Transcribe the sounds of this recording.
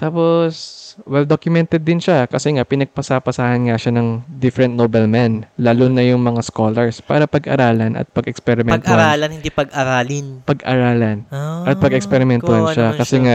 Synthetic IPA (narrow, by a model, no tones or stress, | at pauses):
t̪aːposwɛld̪okjʊmɛnt̪ɛd̪ːɪnʃakɐsɛŋapɪnɐɡ̚pɐsapɐsahɐnŋaʃanɐŋd̪ɪfɾɛnt̪̚nobɛlmɛnlaːlonɐjʊŋmɐŋaskoːlɛɹspaːɾɐpɐɡʔɐ̰ɾaːlɐnʔɐ̰t̪̚pɐɡɛkspɛɾɪmɛnt̪ɾaːlɐnhɪnd̪ipɐɡʔaɾaːlɪnpɐɡʔa̰ɾaːlɐnʔɐt̪̚pɐɡɛkspɛɾɪmɛnohanʃʃakɐsɛŋa